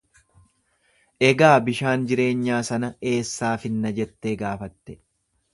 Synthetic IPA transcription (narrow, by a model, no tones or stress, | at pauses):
ʔɛɡaːbɪʃaːnd͡ʒɪɾe̞ːɲːaːsɐnɐe̞ːsːaːfɪnːɐd͡ʒɛt̪ːeːɡaːfɐt̪ːɛ